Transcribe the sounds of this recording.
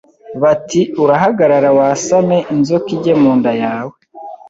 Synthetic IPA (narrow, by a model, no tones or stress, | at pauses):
βatiuɾaɦaɡaɾaɾawaːsame̞ʔinzokiɟemoːndajaːwe